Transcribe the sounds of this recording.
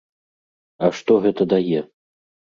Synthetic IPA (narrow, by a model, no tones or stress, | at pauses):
ɐʂt̪ɔɣɛt̪ɐd̪ajɛ